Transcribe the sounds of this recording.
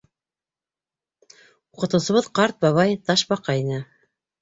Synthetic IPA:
uqɤ̆t̪ɤ̆wsɤ̆βɤðqɑɾt̪̚bɑβɑjt̪ɑʃbɑqɑinɘ

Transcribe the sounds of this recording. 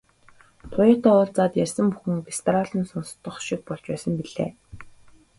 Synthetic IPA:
t̪ʰʊjat̪ɔːʊːɮt͡saːt̪jærʲsə̆mpuxɘ̆ŋpest̪ʰraɮə̆nsɔnst̪ːə̆χʃik̚pɔɮt͡ɕpæːsə̆mpiɮḛː

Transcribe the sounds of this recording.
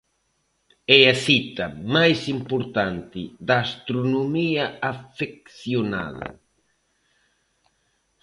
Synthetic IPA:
ɛɐsit̪ɐmajsimpoɾt̪ant̪ɪ̰ðɐːst̪ɾonomiɐafek̚θjona̰ðɐ̰

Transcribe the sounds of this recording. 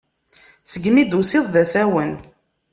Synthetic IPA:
səɡmid̪usɪðˤðæsæwən

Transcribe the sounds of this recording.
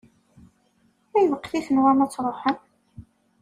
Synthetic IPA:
æjvəqːθiθənwæmæt͡sːɾˤoħən

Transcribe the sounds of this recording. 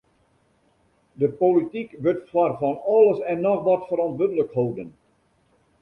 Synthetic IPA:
dəpolitikʋʏtfwarfɔnɔlˠəsɛnːɔxʋɔtfəɾɔntʋødələkhowdən

